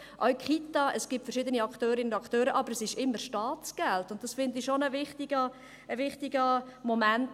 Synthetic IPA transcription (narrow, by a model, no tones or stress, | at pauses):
ʔɔɥkχit̪ɑʔəsɡ̥ɪp̚tfəɾʃɪːd̪əniɑkχtøːɾinʊndɑkχtøːɾəʔɑbəɾɛsɪʃɪmːəɾʃtɑːtt͡sɡ̥ɛltʊnt̚d̥ɑsfɪndiʃonəvɪχt̪iɡə | əvɪχtiɡəmomænt